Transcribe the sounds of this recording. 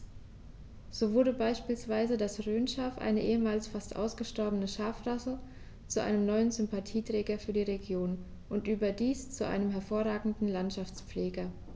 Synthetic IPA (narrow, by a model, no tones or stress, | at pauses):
z̥oːvʊɐdəbaɪʃpiːlsv̥aɪzədasʁøːnʃaɐfʔa̰ɪnəʔeːəmaːlsfastʔa̰ʊsɡ̥əʃtɔɐbənəʃaɐfʁasə | t͡suʔa̰ɪnəmnɔʏənzʏmpatʰiːtʁ̥ɛːɡɐfyːɐdiːʁeɡjoːn | ʔʊntʔyːbɐdiːst͡suʔa̰ɪnəmɦɛɐfoːɐʁaːɡŋ̩dn̩lantʃaft͡sp͡fleːɡɐ